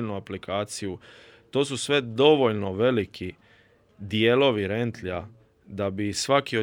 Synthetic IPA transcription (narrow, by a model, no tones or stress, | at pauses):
lnuaplikʰaːt̪siju | t̪o̞ːsusʋe̞d̪o̞ʋo̞ʎno̞ʋe̞likʰi | d̪ijeːlo̞ʋiɾent̪la | d̪abisʋakio